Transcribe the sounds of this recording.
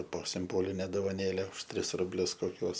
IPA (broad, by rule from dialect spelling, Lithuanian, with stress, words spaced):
poː sʲɪmˈboːlʲɪnʲɛ doːʋɐˈnʲeːlʲɛ ʊʃ ˈtʲrʲɪs rʊbʲˈlʲʊs koːˈkʲuɔs